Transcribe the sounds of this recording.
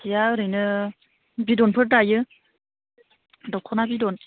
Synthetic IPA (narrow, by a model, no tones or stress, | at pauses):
ijaɯɾɯjnɯ | bidɔnpʰɯɾdajɯ | dɔkʰɔnabidɔn